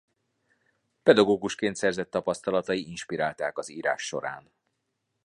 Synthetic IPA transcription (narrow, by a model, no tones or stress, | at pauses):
pɛd̪ɒɡoːɡuʃkeːnt̪sɛrzɛt̪ːɒpɒst̪ɒlɒt̪ɒjiinʃpiɾaːlt̪aːkɒziːɾa̰ːʃːo̞̰ɾa̰ːn